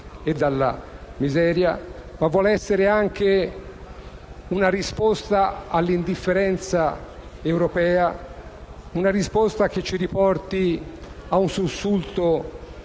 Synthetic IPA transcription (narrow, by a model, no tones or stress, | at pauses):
ed̪ːalːa̰mizɛːɾja̰mavːwɔːlɛsːeɾeaŋk̟e | unaɾispost̪aalːind̪ifːeɾɛnt̪sa | ewɾopɛːa | unaɾispost̪ak̟et͡ʃːiɾipɔrt̪iaunsusːult̪o